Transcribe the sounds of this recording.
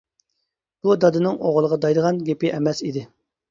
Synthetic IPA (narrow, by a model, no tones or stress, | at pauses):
b̥ud̪ɑd̪ɨnɨŋoʁlˠəʁɑd̪ɑjd̪əʁɑnɡʲepɪʔɛmɛsid̪ɪ